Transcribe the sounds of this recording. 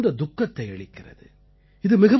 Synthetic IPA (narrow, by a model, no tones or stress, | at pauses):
d̪ɐd̪ʊkːɐt̪ːɐɪɛɭɪkːɪrɐ̰ðɯ | ɪðɯmɪɣɐ